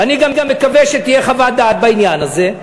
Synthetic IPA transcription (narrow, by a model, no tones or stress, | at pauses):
aniɡamɡamːekaveʃet̪ijeχavad̪aːt̪̚bainjanaze